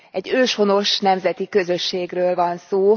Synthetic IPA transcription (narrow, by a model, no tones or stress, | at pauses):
ɛɟːøːʃho̞no̞ʃnɛmzɛt̪ikø̞zø̞ʃːeːɡrøːlvɒnsoː